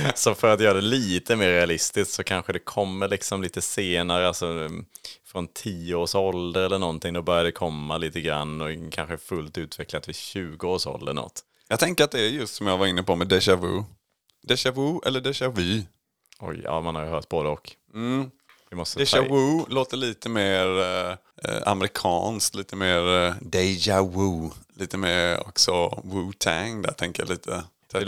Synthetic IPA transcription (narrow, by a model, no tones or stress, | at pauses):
sɔfœɾat̪jœːɾaɖ̪ɛliːt̪ʰəmeːɾːɛalɪst̪ɪst̪sɔkʰanɧəd̪ɛkʰɔmːəɭɪksɔmliːt̪əseːnaɾəalsɔ | fɾɔnt̪ʰiːəoːʂɔld̪əɾɛlːəɳɔnt̪ɪŋd̪ɔbœɾjad̪ɛkʰɔmːaliːt̪əɡɾa̰nːɔkʰanɧəfɵlt̪ʉ̟ːt̪ʰvɛklat̪vɪɕʉ̟ːɡəoːʂɔ̰ld̪ə̰ɳɔ̰t̪ː | jɑːɡ̚t̪ʰɛŋkəɾat̪̚d̪ɛæɾjɵst̪sɔmjaːɡvaɾɪnːəpɔmɛd̪ɛʃavṵ | d̪̥ɛʃavuːʔɛ̰lːəɖɛʃavʉː | ɔ̰jɑ̰ːmanhaɾjəɦœːt̪̚boːd̪əɔk | m̩ː | vɪmɔst̪əd̪ɛawʉːloːt̪əɭiːt̪əmeːɾ | a̰mɛɾɪkʰɑ̰ːnskt̪liːt̪əmeːɾd̪ɛd͡ʒawuːliːt̪əmeːɾɔ̰ksɔwuːt̪ʰæŋd̪æ̰t̪ʰɛŋkəja̰liːt̪ʰə